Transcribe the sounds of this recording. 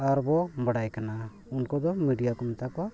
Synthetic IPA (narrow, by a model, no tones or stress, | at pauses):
aɾbɔbəɽajkana | unkɔd̪ɔmiɖijakɔmɛt̪akɔwa